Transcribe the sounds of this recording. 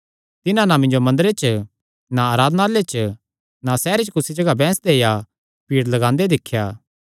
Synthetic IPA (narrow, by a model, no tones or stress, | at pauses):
t̪ɪnãnamɪ̃ɲd͡ʒomɐ̃nd̪ɾet͡ʃə | naːɾaːd̪nalet͡ʃə | nasɛːɾet͡ʃkʊsid͡ʒɐɡabɛ̃ːsd̪eja | piːɽlɐɡãːnd̪ed̪ɪkʰːjaː